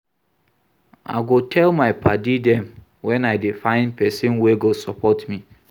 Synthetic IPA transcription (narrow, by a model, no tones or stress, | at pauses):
a̰ɪɡotʰɛlmaɪpʰadidɛm | wɛ̃naɪdefãɪ̃npʰɛsɪ̃nweɡosɔpʰɔtmi